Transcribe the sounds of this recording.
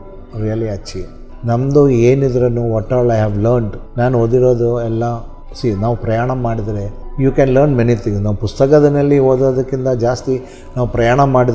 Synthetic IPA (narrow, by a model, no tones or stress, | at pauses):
ɾijɐliɐːt͡ʃːi | nɐmd̪ueːnid̪ɐɾɐnːuɔʈːɔːlɐjɦɛːʋlɐɾɳɖnaːnuoːd̪iɾoːd̪uɛlːɐ | sinaːʋupɾɐjaːɳɐmaːɽid̪ɐɾejuːkɛnlɐɾnminit̪ːiŋnɐʋpust̪ɐkɐd̪ɐnɐlːioːd̪oːd̪ɐkːint̪ɐd͡ʒaːst̪i | naːʋupɾɐjaːɳɐmaːɽid̪